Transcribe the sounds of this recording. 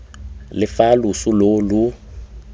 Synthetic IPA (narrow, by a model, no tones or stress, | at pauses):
lɪfalusulolu